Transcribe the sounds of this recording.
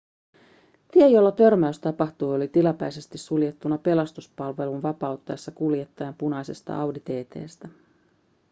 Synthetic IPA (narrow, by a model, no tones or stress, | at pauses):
t̪iejo̞lːɑt̪ø̞rmæyst̪ɑpɑxt̪ujo̞lit̪ilɑpæjse̞st̪isːulje̞t̪ːunːɑpe̞lɑst̪uspɑlʋe̞lunʋɑpɑwt̪ːɑjɑsːɑkulje̞t̪ːɑjɑmpunɑjse̞st̪ɑ̰ʔɑwdit̪e̞ːt̪e̞̰ːst̪æ